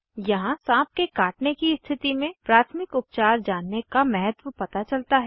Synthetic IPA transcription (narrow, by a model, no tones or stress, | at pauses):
jɐɦãsãːp̚kekaːʈnekist̪ʰɪt̪imẽpɾaːt̪ʰmɪkʊp̚t͡ʃaːɾd͡ʒaːnːekamɛɦət̪wəpɐt̪at͡ʃɐlt̪aɦɛ